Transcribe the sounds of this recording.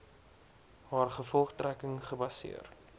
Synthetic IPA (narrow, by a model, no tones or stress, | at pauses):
hɑːrχəfɔlˠχtrækəŋχəbɐsḭər